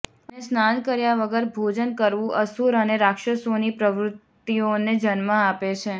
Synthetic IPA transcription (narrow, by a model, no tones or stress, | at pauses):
ənesnankəɾjaʋəɡəɾbʱod͡ʒənkəɾʋũʔəsuɾəneɾakʃəsonipɾəʋɾʊt̪ːioned͡ʒənmãapet͡ʃʰe